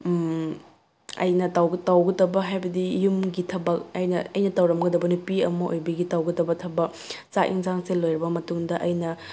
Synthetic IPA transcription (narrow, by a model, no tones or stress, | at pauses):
ɐ̰jnɐtawɡɐtawɡɐtɐbɐɦajbɐdijumɡitʰɐbɐk̚ɐjnɐɐjnɐtɐwɾɐmɡɐdɐbɐnupiɐmɐʔojbɐɡitawɡɐdɐbɐtʰɐbɐk | t͡ʃaʔḭŋzaŋselːojɾɐbɐmɐtuŋdɐʔɐjnɐ